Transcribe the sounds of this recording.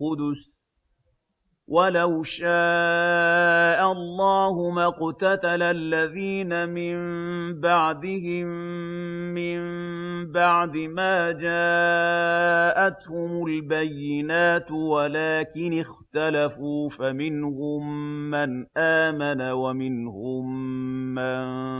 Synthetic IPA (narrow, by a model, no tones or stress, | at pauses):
qʊd̪ʊs | wʔalawʃaː | ʔaɑlˤːɑːhʊmaqt̪at̪alalːaðiːnamɪmmbaʕd̪ɪhɪmː | ɪmbaʕd̪ɪmaːd͡ʒaː | ʔat̪hʊmʊlbajːɪnaːt̪walaːkɪnɪxt̪alafuːfamɪnhʊmːanʔaːmanawamɪnhʊmː | an